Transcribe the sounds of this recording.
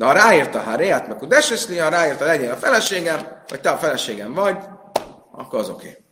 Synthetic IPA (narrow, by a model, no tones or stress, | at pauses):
d̪ɛɦɒɾaːiːrt̪ɒɦaɾeat̪mɛkud̪ɛʃesliɒɾaːiːrt̪ɒlɛɟeːnɒfɛlɛʃeːɡɛmhɒ̰c̚t̪ɛɒfɛlɛʃeːɡɛɱvɒɟ | ɒ̰kːo̞ɾɒzo̞kʰḛː